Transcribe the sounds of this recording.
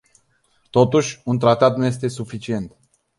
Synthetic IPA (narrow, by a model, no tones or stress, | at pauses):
t̪o̞t̪uʃʲunt̪ɾat̪at̪̚nuje̞s̬t̪e̞sufit͡ʃie̞nt̪